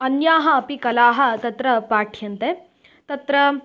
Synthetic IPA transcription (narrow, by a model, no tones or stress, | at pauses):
ɐnjaːɦɐːpikɐlaːɦɐ̆t̪ɐt̪ɾɐpaːʈʰjɐnt̪e | t̪ɐt̪ɾɐ